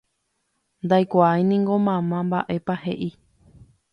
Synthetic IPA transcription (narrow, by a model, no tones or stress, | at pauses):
nd̪ajkʷaajnĩŋɡo̞mãmãmbaʔe̞pahe̞ʔi